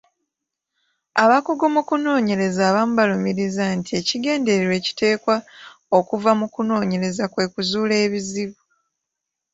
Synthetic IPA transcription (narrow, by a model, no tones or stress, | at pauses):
aβakuɡomukuno̞ːɲe̞ɾe̞zaːβamuβalumiɾizantie̞ciɡe̞ːnde̞ɾeɾwe̞ːci̥te̞ːkwa | okuvamukuno̞ːɲe̞ɾe̞zakwe̞ːkuzuːle̞ːβiziβu